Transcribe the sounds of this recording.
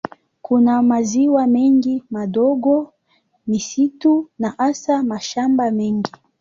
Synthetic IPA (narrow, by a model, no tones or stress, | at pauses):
kunamaziwamɛŋɡimaɗɔɡɔ | misitunaʔasamaʃambamɛŋɡi